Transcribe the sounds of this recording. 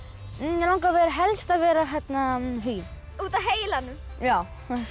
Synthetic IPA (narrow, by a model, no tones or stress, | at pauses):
lawŋkavɛːɾaɦɛlst̪avɛːɾaçɛt̪naɦʏj̪ | uːt̪aɦeːjɪlanːʏmjaːw